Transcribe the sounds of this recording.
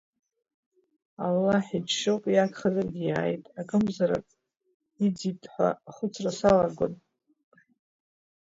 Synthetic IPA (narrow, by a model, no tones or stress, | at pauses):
alːaħid͡ʒʂɨqʼjakʰχazarɡʲijaːjtʼakʼɨmzaɾa̰kʼ | id͡zitʼħʷa̰χʷʊt͡sʰrasalaɡʷo̰n